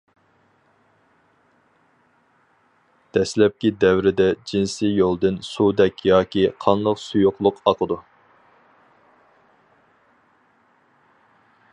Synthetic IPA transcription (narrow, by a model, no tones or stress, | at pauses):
d̪̥ɛslɛp̚kʲid̪ɛwɾɪd̪ɛd͡ʒinsijolˠd̪ɨnsud̪ɛkʲjɑːkʲʰiqʰɑnlˠəqsujʊqlˠʊqɑqʰəd̪u